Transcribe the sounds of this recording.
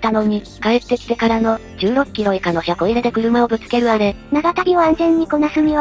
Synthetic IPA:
t̪ano̞ɲ̟i | kaet̪ːe̞kʲi̥t̪e̞kaɾano̞ | d͡ʑɨːɾo̞kkʲːiɾo̞ekano̞çako̞iɾe̞d̪e̞kɯ̟ɾɯ̟mao̞bɯ̟t͡sɨ̥ke̞ɾɯ̟aɾe̞naɡat̪aɾʲioãnzẽ̞ɲ̟ːiko̞nasɨmʲiβa

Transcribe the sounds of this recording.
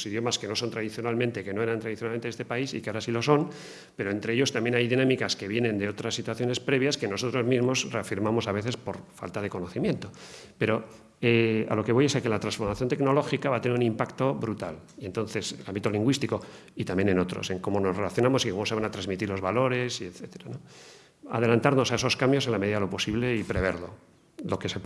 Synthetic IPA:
siðjo̞maske̞no̞so̞nt̪ɾaðiθjonalmẽnt̪e̞ke̞noe̞ɾant̪ɾaðiθjnalmeneest̪epaisḭkeaɾasilo̞so̞n | pe̞ɾo̞e̞nt̪ɾe̞eʎo̞st̪ambjenajðinãmikaske̞βje̞nẽ̞nd̪eo̞t̪ɾasːit̪waθjo̞ne̞spɾe̞β̞jaske̞no̞so̞t̪ɾo̞zmizmo̞sre̞afiɾmamo̞saβ̞e̞θe̞spoɾfa̰lt̪að̞e̞ko̞no̞θimjent̪o̞pe̞ɾo̞ | ea̰lo̞ke̞βo̞jesakelat̪ɾansfo̞ɾmaθjo̞nt̪e̞kno̞lo̞xikaβat̪eneɾunĩmpakt̪o̞βɾut̪alie̞nt̪o̞nθe̞selambit̪o̞liŋɡwist̪iko̞ | it̪ambjeneno̞t̪ɾo̞̰se̞ŋko̞mo̞no̞sre̞laθjo̞namo̞siko̞mo̞se̞βanat̪ɾazmit̪iɾlo̞zβalo̞ɾe̞sieθet̪eɾano | a̰ðe̞lant̪aɾno̞sae̞so̞skambjo̞se̞nlame̞ðiðaðelo̞po̞siβle̞ipɾe̞β̞e̞ɾlo̞̰ | lo̞ke̞se

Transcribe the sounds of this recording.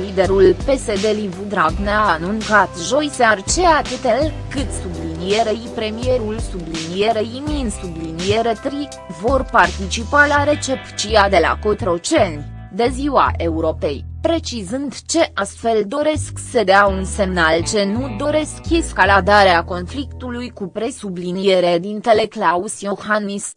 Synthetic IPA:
lid̪e̞ɾulpe̞se̞d̪e̞livud̪ɾaɡneanunkat̪ʒo̞jseart͡ʃe̞at̪ɨt̪elkɨt̪sublinije̞ɾeipɾe̞mije̞ɾulsublinije̞ɾeimiɨnsublinijeɾet̪ɾi | vo̞rpart̪it͡ʃipalaɾe̞t͡ʃept͡ʃiad̪e̞la̰kot̪ɾo̞t͡ʃen | d̪e̞ziwa̰ʔe̞uɾo̞pe̞jpɾe̞t͡ʃizɨnd̪t͡ʃe̞ʔast̪fe̞ld̪o̞ɾe̞sksəd̪eaunse̞mnalt͡ʃe̞nud̪o̞ɾe̞skeskalad̪aɾeako̞nflikt̪ulujkupɾe̞sublinije̞ɾed̪int̪e̞le̞klausiohanis

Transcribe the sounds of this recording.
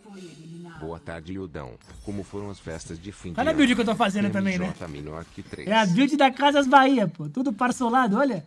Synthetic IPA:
bowɐt̪a̰ɾd͡ʒɪiud̪ɐ̰̃w̃kõmʊfoɾɐ̃w̃ɐsfɛ̰st̪ɐzd͡ʒɪfĩkalɛɐbiwd͡ʒiɪkewt̪ofazẽnd̪ʊt̪̬ɐ̃mbẽj̃nɛt̪am̰̃nakit̪ɾḛɛɐbiwd͡ʒɪd̪ɐkazɐzbaiɐpot̪ud̪ʊpaɾsolad̪ʊɔlɐ

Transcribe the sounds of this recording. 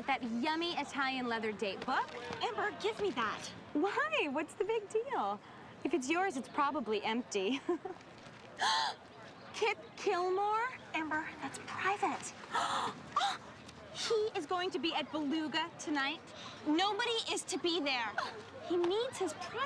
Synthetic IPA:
ɨt̪̚ðɨt̚jʌ̃miɨtʰælˠjɨ̃nlɛðə˞deɪt̚b̥ʊkɛ̃mbə˞ɡɪvmiðæ̰t̚ | waɪwʌtsðɨbɪɡ̚dilˠ | ɨfɨts̬jɔɹzɨtspʰɹ̥ɑbəbliʔɛ̃mp̚ti | kʰɪt̚kʰɪlˠmɔɹɛ̃mbə˞ðætspʰɹ̥aɪvɨ̃nt | hiɪzɡoʊɪ̃ŋtʰɨbiɨt̚b̥əlʉɡɨtʰɨnaɪt̚ | noʊbəɾiʔɪz̥tʰɨbiðə˞hinidz̥hɨz̥pʰ

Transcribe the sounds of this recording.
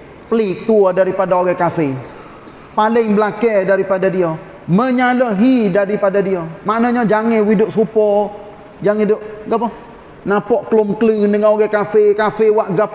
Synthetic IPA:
pəlik̚t̪uɔdaɾipadaoɡɛkafe | palɪŋbəlakɛdaɾipadadiɔ | məɲalɔɦidaɾipadadiɔmanɔɲɔd͡ʒaŋɪwidʊʔsupɔ | d͡ʒaŋidʊʔɡapɔ | napɔʔklʊmklunəŋaoɡɛkafekafɪwaʔɡap

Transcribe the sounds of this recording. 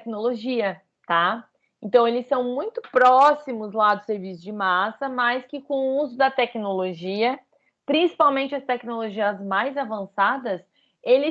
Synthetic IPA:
knoloʒiɐ | t̪a | ẽnt̪ɐ̃w̃elɪsːɐ̃w̃mũj̃t̪ʊ̥pɾɔsimʊzlad̪ʊseɾvisʊd͡ʒɪmasɐmɐjskɪkõʊuzʊd̪ɐt̪ɛknoloʒiɐ | pɾĩsi̥pawmẽnt͡ʃɪɐst̪ɛknoloʒiɐzmajzavɐ̃sad̪ɐs | elɪ

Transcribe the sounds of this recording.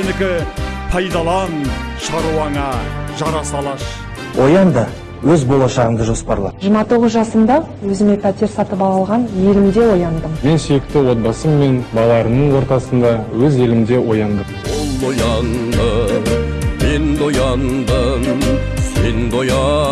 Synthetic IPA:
enɪkʲɪpʰɑjd̪ɑlˠɑnʃɑɾuwɑŋɑʒɑɾɑsɑlˠɑʃ | wʔo̞jɑnd̪ə | wɵzbo̞lˠɑʃɑʁənd̪əʒo̞spɑɾlˠɑ̰ʒəmɑt̪ʰo̞ʁəzʒɑsənd̪ɑ | wɵzɪme̞pʰæt̪ʲeɾsɑt̪əpɑlˠɑlˠʁɑnje̞lɪmd̪e̞wo̞jɑnd̪əmme̞nsejɪkt̪ɪwo̞t̪̚bɑsəmːe̞nbɑlˠɑɾənəɴwo̞ɾt̪ɑsənd̪ɑwɵze̞lɪmd̪e̞wʔo̞jɑnd̪əmwolˠojɑnd̪ə | mend̪ojɑnd̪əmsend̪ojɑ

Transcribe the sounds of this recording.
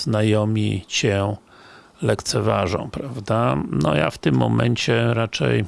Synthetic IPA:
z̥najɔmʲḭt͡ɕɛ | lɛkt̪sɛvaʐɔ̰̃w̃pɾavd̪anɔja̰ft̪ɪmːɔmɛɲt͡ɕɛɾat͡ʂɛ̰j

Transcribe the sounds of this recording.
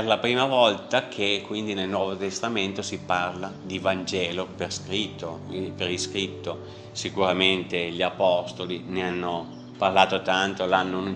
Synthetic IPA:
rlapɾiːmavɔlt̪akʰekːwind̪inelnwɔːvot̪est̪ament̪osiparlad̪ivand͡ʒɛːloperskɾit̪ːopeɾiskɾit̪ːo | sikuɾament̪eʎiapɔst̪olineanːo | parlaːt̪ot̪ant̪olanːon

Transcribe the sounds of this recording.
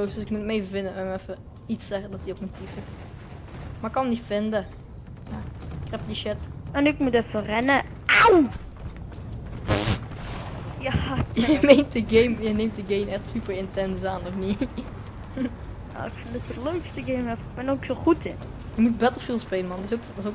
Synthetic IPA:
lowsd̥øsɪk̚mutəmejvəvɪndəɛnɛfə | itsɛχədɔtiokmutifɪt | makːɑnəmnitfɪndə | jaɪkhɛpdiʃɪtɛnɪkmutɛfərɛnə | aw | jajəmejnt̚dəɡejmjəneːmt̚dəɡemɛχtsypərɪntɛnsaːnɔfni | ja̰ɪkfɪndɔtətløɥkstəɡejmɛfk̚bɛnoksoχutʰɪn | jəmut̚bɛtəlfilˠspeːlənmɑndɪsokdso

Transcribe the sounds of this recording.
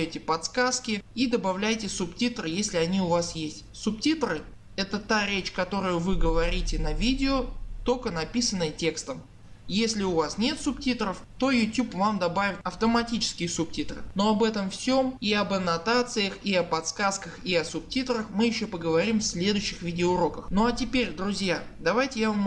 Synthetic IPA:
tʲɪpɐt̪skaskʲɪid̪əbɐvlʲæjtʲɪsʊptʲit̪rɨjesʲlʲɪɐnʲiʊvasjesʲtʲsʊp̚tʲit̪rɨ | ɛt̪ət̪aɾʲet͡ɕkɐt̪o̞ɾʊjʊvɨɡəvɐɾʲitʲɪnɐvʲidʲɪot̪o̞kənɐpʲisənːəjətʲe̞kst̪əm | jesʲlʲɪʊvasnʲe̞t̪sʊptʲit̪ɾəft̪o̞jʊtʲupvamd̪ɐbavʲɪt̪ɐft̪əmɐtʲit͡ɕɪ̥skʲɪjəsʊp̚tʲit̪rɨ̰no̞ɐbɛt̪əmfsʲomiɐbɐnɐt̪at̪sɨjəxiɐpɐt̪skaskəxiɐsʊp̚tʲit̪ɾəxmɨjɪɕːo̞pəɡəvɐɾʲimfsʲlʲe̞d̪ʊjɕːɪxvʲidʲɪoʊɾo̞kəxnoɐtʲɪpʲeɾʲd̪ɾʊzʲjad̪ɐvajtʲɪjavɐm

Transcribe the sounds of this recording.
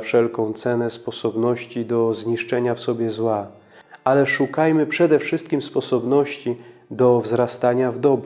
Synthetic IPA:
fʂɛlkɔ̃w̃t̪sɛnɛspɔsɔbnɔɕt͡ɕid̪ɔzɲiʂt͡ʂɛɲafsɔbʲjɛzwa | ʔalɛʂukajmɘpʂɛd̪ɛfʂɘst̪̚kʲimspɔsɔbnɔɕt͡ɕid̪ɔvzɾast̪aɲavd̪ɔb

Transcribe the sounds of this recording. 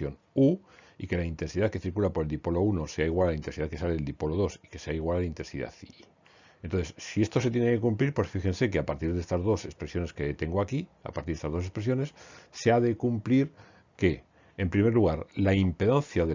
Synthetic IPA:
jo̞n | uḭke̞laint̪e̞nsiðaθke̞θiɾkulapoɾeld̪ipo̞lo̞uno̞se̞aiɣwalalaint̪e̞nsiðaθke̞saleeld̪ipo̞lo̞ð̞o̞si̥ke̞se̞aiɣwalalaint̪e̞nsḭða̰θi | ent̪onθessie̞st̪o̞sejene̞ke̞kumpliɾpwe̞sfixe̞nse̞ke̞apaɾt̪iɾðe̞st̪azðo̞se̞spɾe̞sjo̞ne̞ske̞t̪e̞ŋɡoakia̰paɾt̪iɾðest̪ːzðose̞spɾesjo̞ne̞sːe̞aðe̞kumpliɾ | ke̞ː | mpɾime̞ɾluɣaɾlaimpeðanθjaðe

